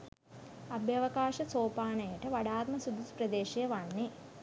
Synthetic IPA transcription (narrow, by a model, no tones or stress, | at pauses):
ɐbʱjɐʋɐkaːʃɐt͡soːpaːnɐjɐʈɐʋɐɽaːt̪̚mɐsud̪uspɾɐd̪eːʃɐjɐʋɐɳːe